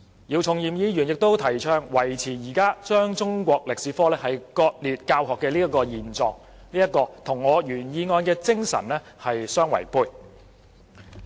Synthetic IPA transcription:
ji˨˧wt͡sʰʊ˨ŋjiː˨mjiː˨˧jyː˨˩njɪ˨k̚t̪o˥wt̪ʰɐ˨˩jt͡ʃʰœː˧ŋwɐ˨˩jt͡sʰiː˨˩jiː˨˩kaː˥t͡ʃœː˥ŋt͡sʊ˥ŋkʷɔː˧k̚lɪ˨k̚siː˨˧fɔː˥lɛː˥hɐ˨jkɔː˧t̚liː˨˧t̚kaː˧wɦɔː˨kːɛː˧liː˥jɐ˥kɔː˧jiː˨nt͡sɔː˨ŋ̚ | liː˥ɐ˥t̚kɔː˧t̪ʰʊ˨˩ŋːɔː˨˧jyː˨˩njiː˨˧ŋɔː˧nkɛː˧t͡sɪ˥ŋsɐ̰˨˩nlɛː˥ | hɐ˨jsœː˥ŋwɐ̰˨˩jpuː˧j

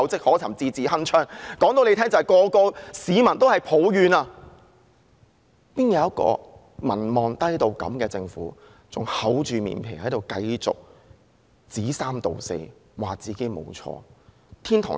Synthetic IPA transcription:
wt͡sɪ˥k̚hɔː˨˥t͡sʰɐ˨˩mt͡siː˧t͡siː˨hɐ˥nt͡ʃʰœː˥ŋkɔː˨˥ŋt̪o˧wle˧t̪ʰɛː˥ŋt͡sɐ˨hɐ˨˩jkɔː˧kɔː˧siː˨˧mɐ˨˩nt̪o˥whɐ˨˩jpʰo˨˥wjyː˨˧naː˧ | piː˥njɐ˨˧wɐ˥t̚kɔ̰ː˧ | mɐ̰˨˩nmɔː˨nt̪ɐ˥jt̪o˧wkɐ̰˨˥mkɛː˧t͡sɪ˧ŋfṵː˨˥ | t͡sʊ˨˩ŋhɐ˨˥wt͡ʃyː˨mḭː˨˩npʰɪ̰˨˩ŋhɐ˨˥jt̪o˨wkɐ˧jt͡sʊ̰˨k̚ | t͡siː˨˥saː˥mt̪o˨wsḛ˧jwaː˨˩k̚t͡siː˨˩ke˥jmo̰˨˧wt͡sʰɔ̰ː˧ | t̪ʰiː˥nt̪ʰɔ̰˨˩

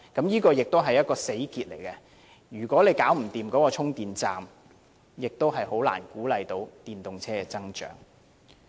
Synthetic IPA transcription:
kɐ˨˥mjiː˥kɔː˧jɪ˨k̚t̪o˥wɦɐ˨jːɐ˥t̚kɔː˧se˨˥jkiː˧t̚le˨˩jkɛ˧ | jyː˨˩kʷɔː˨˥le˨˧jkaː˨˥wm̩˨˩t̪iː˨mkɔː˨˥kɔː˧t͡sʰʊ˥ŋt̪iː˨nt͡saː˨m | jɪ˨k̚t̪o˥wɦɐ˨jho˨˥wla̰ː˨˩nkuː˨˥lɐ˨˧jt̪o˨˥wt̪iː˨nt̪ʊ˨ŋt͡sʰɛː˥kɛ˧t͡sɐ˥ŋt͡ʃœ̰ː˨˥ŋ

